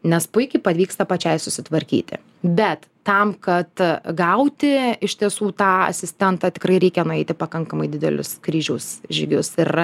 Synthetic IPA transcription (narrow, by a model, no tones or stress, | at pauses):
nʲɛspʊɪkʲɐɪpɐʋʲiːkst̪ɐpɐt͡ʃʲɛɪsʊsʲɪt̪ʋɐɾʲkʲḭːt̪ʲɪ̰ | bʲɛt̪ː | ɐmkɐt̪ɡɐʊt̪ʲɪɪʃʲt̪ʲiɛsuːt̪ɑːɐ̰sʲɪsʲt̪ʲɛnt̪ɑːt̪ʲɪ̥kɾɐɪɾʲɛɪkʲɛnʊɛɪt̪ʲɪpɐkɐŋkɐmɐɪd̪ʲɪd̪ʲɛ̰lʲʊ̰skɾʲiːʒʲɛʊsʒʲɪɡʲʊsɪr